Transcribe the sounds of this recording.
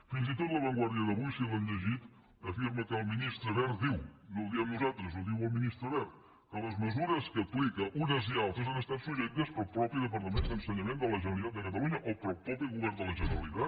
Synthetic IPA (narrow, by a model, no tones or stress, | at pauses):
finzit̪ot̪ləβəŋɡwaɾðiəðəβujsilənʎəʒit̪ | əfiɾməkəlˠminist̪ɾəβɛɾd̪iwnuðiəmnuzalˠt̪ɾəzuðiwəlˠminist̪ɾəβɛɾt̪ | kələzməzuɾəskəplikəʔunəzialˠt̪ɾəzənəst̪at̪suʒɛk̚t̪əspəlˠpɾɔpiðəp̬əɾt̪əmend̪ənsəɲəmend̪ələʒənəlˠit̪at̪d̪əkət̪əluɲəʔopəlˠpɾɔpiɣuβɛrnd̪ələʒənəɾəlit̪at̪